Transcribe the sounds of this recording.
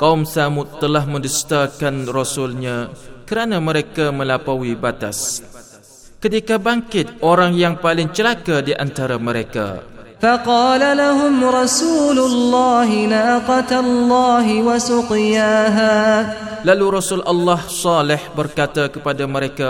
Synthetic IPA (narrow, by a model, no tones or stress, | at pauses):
kaumsamʊt̪ːəlaɦmə̃dust̪akanrɔsʊlɲãkəɾanaməɾekamə̃lapawibat̪a̰s | kət̪ikabaŋkɪt̪̚ʔoɾaŋjaŋpalɪŋt͡ʃəlakadiʔant̪aɾaməɾeka̰fɑqɑːlalaɦʊmɾˤɑsuːlʊlːɑːɦɪnaqɑt̪alːɑːɦɪwasʊqɪjaːɦaːlaluɾɔsʊlʔɑlːɑhsɑlɪħbərkat̪akəpadaməɾeka